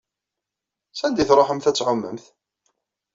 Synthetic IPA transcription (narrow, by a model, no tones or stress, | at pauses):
sænd̪iθɾˤoħəmθæt͡sːʕʊmːə̰mθ